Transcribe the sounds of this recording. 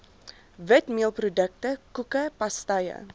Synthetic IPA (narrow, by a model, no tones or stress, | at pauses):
vətmiəlˠprodək̚təkukəpɐstɐjə̰